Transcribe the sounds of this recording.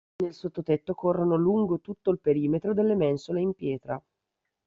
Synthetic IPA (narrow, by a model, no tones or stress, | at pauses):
nelsot̪ːot̪et̪ːokorːonoluŋɡot̪ut̪ːoilpeɾiːmet̪ɾod̪elːemɛnsoleimpjɛːt̪ɾa